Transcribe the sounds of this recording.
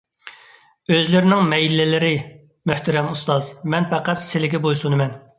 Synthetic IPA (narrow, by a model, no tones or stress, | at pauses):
øzlɪɾɪnɪŋmɛjilːɪlɪɾɪ | møht̪ɛɾɛmust̪ɑzmɛnpɛqæt̪sɪlɪɡʲɛbojsunɨmɛn